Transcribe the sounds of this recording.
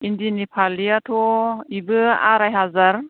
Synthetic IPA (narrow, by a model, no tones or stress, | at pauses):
indinipʰaliatʰɔibɯa̰ɾajɦazaɾ